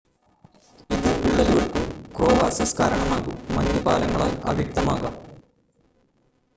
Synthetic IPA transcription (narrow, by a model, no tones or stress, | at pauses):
iðɨpiɭːɐluɣɐɭkumkroːʋaːsɐska̰ːɾɐɳɐmaːɣumːɐ̰ɲːɐpa̰ːlɐŋːɐɭaːla̰ːʋjɐk̚t̪ɐmaːɣɐ